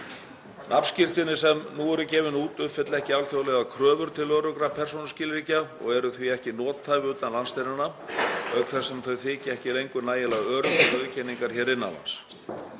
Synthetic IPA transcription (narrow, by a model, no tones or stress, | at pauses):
nʔapn̥scɪr̥t̪ɪnɪsɛmnuːɛɾʏcɛːvɪnuːt̪ʏfɪt̪lɛhcɪalθjowlɛɣakʰɾœːvʏɾ̥t̪ʰɪlœːɾʏkɾapʰɛr̥s̬ownʏscɪːlɾiːcaɔ̰ɣɛɾʏθviɛhcɪn̪ɔːt̪θaːjvɪʏːt̪anlanst̪enanːaœɣθɛsːɛmθœɥθɪːcɪɛhcɪlejŋkʏnaːjɪlaɣœːɾʏœðʏcʰɛnːiŋkaɾ̥çɛːɾɪnːa̰la̰ns